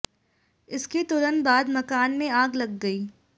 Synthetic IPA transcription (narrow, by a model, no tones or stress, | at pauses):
ɪsket̪ʊlənbaːd̪mɐkaːnmẽaːɡlɐɡːɐiː